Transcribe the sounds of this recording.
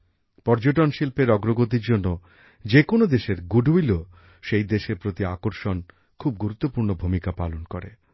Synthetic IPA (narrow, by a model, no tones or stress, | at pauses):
pɔɾd͡ʑoʈonʃilpeɾɔɡɾoɡot̪̬iɾd͡ʑonːo | d͡ʑekonod̪eʃeɾɡuɖʱuilo | ʃejd̪eʃeɾpɾot̪iakoɾʃon | kʰub̚ɡuɾut̪ːopuɾnobʱumikapalonkoɾḛ